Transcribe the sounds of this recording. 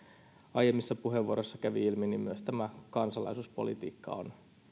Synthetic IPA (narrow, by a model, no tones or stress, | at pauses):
ɑjemːisːɑpuɦeʋːuoɾosːɑkæʋiilminimyøst̪æmækɑnsɑlɑ̰isuːspolḭt̪ḭːkːɑ̰o̰n